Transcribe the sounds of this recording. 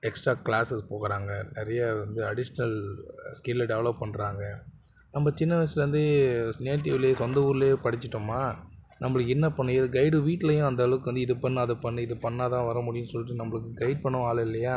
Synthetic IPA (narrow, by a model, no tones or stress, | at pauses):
ɛksʈɾaːklaːsɛspoːkɐɾaːŋɡɐnɛɾɐjɐʋɐnd̪ɯɐɽɪʂɐnɐlskeːlːɐɖɛʋɐɭɐp̚ːpɐɳːɾaːŋɡɐ | nɐmːɐt͡ʃɪnːɐʋɐslʋɐnd̪ɯsneːʈ̬ːɪʋɪleːsɔnd̪ɐuːɾɪleːpɐɽɪt͡ʃːɪʈːɯmːaːnɐmːɐɭɯkːɛnːɐpɐɳːʊ̃eðɡɐɪɽɯʋiːʈːɪlɐjʊ̃ɐnd̪ɐɐlɐʋɯkːɯʋɐnd̪ɯɪðɯpɐɳːɯɐðɐpɐɳːɯɪðɯpɐɳːaːt̪ãːʋɐɾɐmʊɽɪjʊnsɔlːɪʈːɯnɐmːɐɭɯkːɯɡɐɪɖ̚pɐɳːʊ̃aːlɐɪlːɐjaː